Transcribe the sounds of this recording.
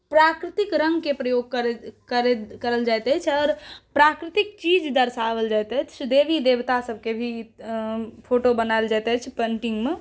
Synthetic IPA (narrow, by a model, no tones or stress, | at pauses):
pɾakɾɪt̪ikɾə̃ŋɡkepɾəjoɡ̚kəɾkəɾekəɾəld͡ʒat̪ɛt͡ʃʰɔːɾpɾakɾɪt̪ik̚t͡ʃid͡ʒd̪əɾsaʋəld͡ʒat̪ɛt͡ʃʰt͡ʃʰd̪eʋid̪eʋt̪asəbʱkebʱi | pʰoʈobənaɪld͡ʒat̪ɛt͡ʃʰpəɳʈiŋɡme